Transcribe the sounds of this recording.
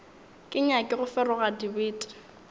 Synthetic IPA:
kʼɪɲakʼɪɣʊfɛrɔɣadibiːtʼɪ̥

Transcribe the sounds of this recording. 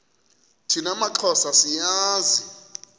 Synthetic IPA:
tʰinamaǃʰɔsasijaːzi

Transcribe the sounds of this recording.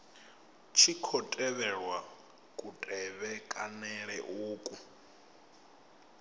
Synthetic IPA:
t͡ʃʰikʰɔtʼɛβɛɺwa | kʼutʼɛβɛkʼanɛɺɛʔuːkʼu

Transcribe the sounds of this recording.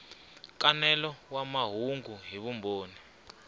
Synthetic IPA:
kanɛlɔwamaɦuŋɡuɦiβumboːni

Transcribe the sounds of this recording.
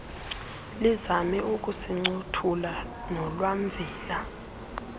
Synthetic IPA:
lizamɛʔuk̬usɛŋ͡ǀutʰula | nɔlwam̩vʱiːla

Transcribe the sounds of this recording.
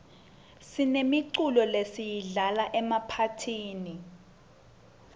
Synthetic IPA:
sinemiǀulɔlesijiɮalaʔɛmapʰatʰiːni

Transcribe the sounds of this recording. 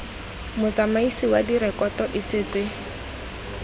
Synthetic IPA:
mʊt͡samaisiwadiɾɛkʼɔtɔʔɪsɪːt͡sɪ

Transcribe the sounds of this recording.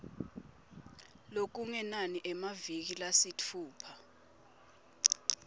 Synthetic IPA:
lok̬uŋɛnaniʔɛmavik̬ilasitʰuːpʰa

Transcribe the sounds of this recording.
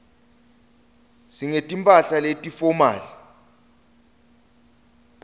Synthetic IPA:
siŋetʼimpʼaɬaletʼifɔma̰ːɬi

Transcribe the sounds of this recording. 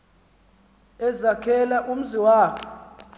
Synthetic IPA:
ɛzakʰɛlaʔum̩ziwaːkʰɔ

